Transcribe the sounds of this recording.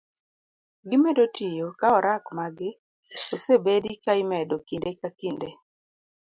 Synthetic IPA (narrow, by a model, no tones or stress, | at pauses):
ɡɪmɛdotijokaɔɾakmaɡɪ | osebedikaimɛdokindekakinde